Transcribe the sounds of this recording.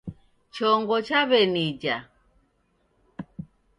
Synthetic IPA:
t͡ʃɔŋɡɔt͡ʃaβɛnid͡ʒa

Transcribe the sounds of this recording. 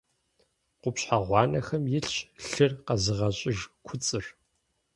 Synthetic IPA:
qʷʊpɕħaʁʷɑːnɐxɐmjɪɬɕɬɨrqɐzɨʁɐɕʼɪʒkʷʰʊt͡sʼɨr

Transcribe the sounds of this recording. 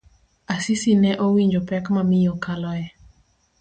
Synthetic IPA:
asisinɛʔowiɲd͡ʒopɛkmamɪjɔkalɔjɛ

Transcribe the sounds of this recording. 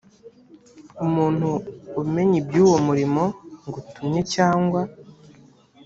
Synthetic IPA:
umuːn̥huːme̞ɲibjuːwomuɾimo̞ŋɡutumɲe̞caːŋɡwa

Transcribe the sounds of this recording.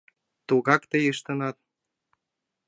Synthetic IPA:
t̪uɣɑkt̪ejəʃt̪ɤ̆nɑt̪̚

